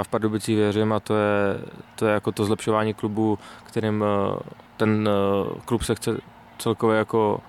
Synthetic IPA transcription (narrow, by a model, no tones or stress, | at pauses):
aːfpaɾdobɪt͡sivjɛrʊɪmat̪ojɛt̪ojɛjakot̪ozlɛpʃovaːɲiːklubukt̪ɛɾɪm | t̪ɛnklupsɛxt͡sɛ | t͡sɛlkovjɛjako